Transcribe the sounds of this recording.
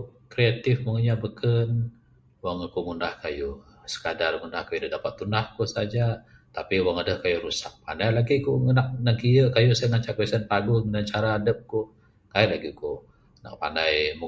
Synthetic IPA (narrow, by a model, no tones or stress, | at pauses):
kɾeat̪ɪfmuŋəɲabəkən | waŋakuŋundahkaju | sə̥kadarŋundahkajudədapat̪ːunahkusad͡ʒa | t̪apiwaŋadəhkajuɾusak̚pa̰ndajlaɡikuŋənak̚naŋkiəkajusaŋaɲt͡ʃaʔkwɛsənpaɡunant͡ʃaɾaːdəp̚ku | kaiʔlaɡiku | na̰ʔ̚pa̰ndajmu